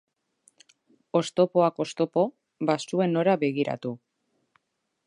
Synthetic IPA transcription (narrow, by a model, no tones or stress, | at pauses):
o̞st̪o̞poako̞st̪o̞po̞ | βasue̞no̞ɾaβe̞ɣiɾa̰t̪u